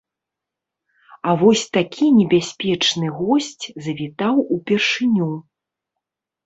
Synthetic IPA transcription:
avɔsʲt̪akʲʰinʲɛbʲasʲpʲɛt͡ʂnɨɣɔsʲt͡sʲzɐvʲit̪awupʲɛrʂɨnʲu

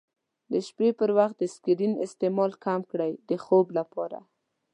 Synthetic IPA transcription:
d̪əʃpepəɾwaxt̪̚d̪əskɪɾinɪ̰st̪emɑlkamkɽajd̪əxoblapɑɾa̰

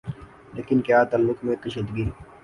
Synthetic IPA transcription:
leːkɪnkjaːt̪aːlːʊkmẽt̪ɐʃəd̪ɡi

